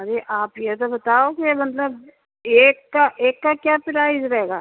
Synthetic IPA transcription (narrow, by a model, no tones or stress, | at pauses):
ɐɾeʔaːpjet̪̬obɐt̪aːokimɐt̪ləb | eːkːaʔeːkːakjaːpɪɾaːɪzɾɐɦeːɡa̰ː